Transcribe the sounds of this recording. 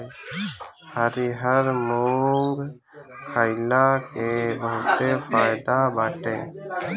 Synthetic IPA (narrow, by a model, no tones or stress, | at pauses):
həɾiɦəɾmuŋɡ | kʰajlakebəɦʊt̪epʰajd̪abaːʈẽ